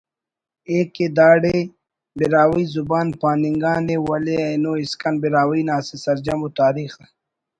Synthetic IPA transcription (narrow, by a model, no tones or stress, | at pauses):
eked̪aːɽe | biɾaːwiːzubaːnpaːniŋɡaːnewɐleɐjnoːiskɐnbiɾaːwijnaːsisɐɾd͡ʒɐmut̪aːɾiːxd̪a